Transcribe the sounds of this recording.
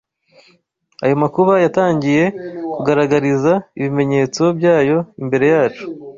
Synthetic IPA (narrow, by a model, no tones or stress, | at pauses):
ajo̞makuβajataːɲɟije̞kuɡaɾaɡaɾizaiβime̞ɲe̞t͡siobɟaːjo̞imbe̞ɾe̞jaːt͡ʃu̥